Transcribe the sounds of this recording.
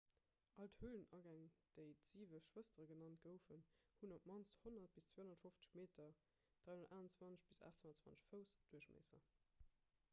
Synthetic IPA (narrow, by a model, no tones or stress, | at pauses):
ʔɑlthuːlənɑɡæŋd̥əɪtz̥iːvəʃʃwəstəʁəɡənɑntɡ̥əʊfənhunopmɑnshonɐt̚b̥ist͡sweːonɐtfoft͡sə̥ʃmeːtʰɐ | d̥ʁaondɐtʔaːnɑnt͡swɑnt͡səʃb̥isa̰ːχthonɐtt͡swvɑ̰nt͡səʃfəʊsd̥uəʃmḛːsɐ̰